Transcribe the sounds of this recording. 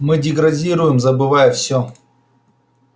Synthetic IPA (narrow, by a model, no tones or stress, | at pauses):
mɨdʲɪɡɾɐdʲiɾʊjɪmzəbɨvajəfsʲo